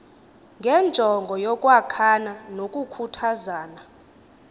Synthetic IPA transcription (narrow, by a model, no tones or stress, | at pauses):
ŋɡʱɛnd͡ʒʱɔŋɡʱɔjɔkʼwakʰananokʼukʰutʰazaːna